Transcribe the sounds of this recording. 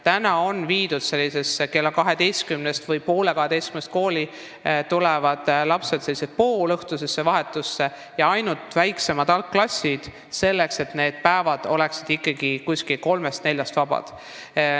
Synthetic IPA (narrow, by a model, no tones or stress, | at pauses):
t̪ænɑo̞nviːd̪̥ud̪̥se̞lʲːise̞ske̞lːokɑɦe̞d̪e̞jst̪kymnest̪vɤjpo̞ːle̞kɑɦe̞d̪ejst̪kymnest̪ko̞ːli | t̪ulɛvɑd̪̥lɑpse̞d̪̥se̞lːisespoːlɤht̪usesːevɑɦe̞t̪ːˑusːe̞ | jɑɑjnult̪ˑvæjkse̞mɑd̪̥ɑlkːlɑsʲːid̪̥ | se̞lːe̞kse̞t̪ne̞ːd̪̥̚pæevɑd̪̥o̞le̞ksid̪̥ikˑːɑɡ̥ikuskiko̞lme̞st̪ne̞lʲjɑst̪vɑbɑ̰d̪̥